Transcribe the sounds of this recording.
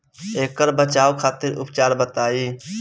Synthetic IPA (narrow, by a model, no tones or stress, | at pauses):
eːkəɾbət͡ʃaːokʰaːt̪ɪɾʊ̰pt͡ʃaːɾbət̪aːiː